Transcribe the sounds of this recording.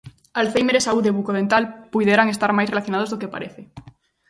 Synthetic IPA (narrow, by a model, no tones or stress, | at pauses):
alθejmeɾesauðeβukoð̞ent̪alpujðeɾaŋest̪aɾmajsrelaθjonaðozðokepa̰ɾeθe